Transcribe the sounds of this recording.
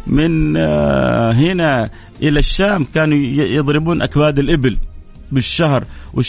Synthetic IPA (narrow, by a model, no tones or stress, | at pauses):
mɪn | ɦɪna | ʔɪlaʃːaːmkaːnujɨðˤɾɪbuːnʔakbaːd̪ɪlʔɪbɪl | bɪʃːahɾwɪ